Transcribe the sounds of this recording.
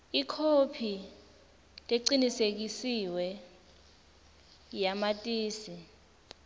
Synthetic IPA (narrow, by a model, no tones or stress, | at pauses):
ikʰopʰi | tʼeǀinisek̬isiwɛ | jamatʼiːsi